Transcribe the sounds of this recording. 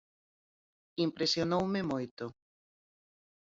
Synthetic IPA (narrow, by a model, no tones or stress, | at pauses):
impɾesjonowmemojt̪o